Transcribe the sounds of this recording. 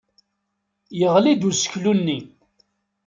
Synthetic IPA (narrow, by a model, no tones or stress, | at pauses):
jəʁlid̪usə̥çlunːi